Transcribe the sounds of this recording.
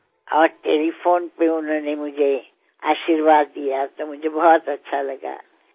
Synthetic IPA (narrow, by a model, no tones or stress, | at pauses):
ɔːɾʈeːlipʰoːnpeʊnõnemʊd͡ʒʱe | a̰ːʃiɾʋaːd̪ːijat̪omʊd͡ʒʱebɔːt̪ɐtːʃʰalɐɡa̰ː